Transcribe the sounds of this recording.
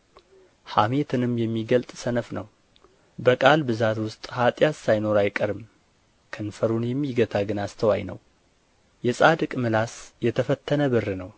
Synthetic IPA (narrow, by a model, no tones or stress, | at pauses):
hame̞t̪ʰɨnɨmjɛmːiɡəlt̪ʼsənəfnəw | bəkʼalbɨzat̪wʊst̪ʼhat̪ʼjassajno̞ɾajkʼəɾɨm | kʰənfəɾunjɛmːiɡət̪ʰaɡɨnast̪ʰəwajnə̰w | jɛsʼad̪ɨkʼmɨlasjɛt̪ʰəfət̪ʰːənəbɨrːɨnəw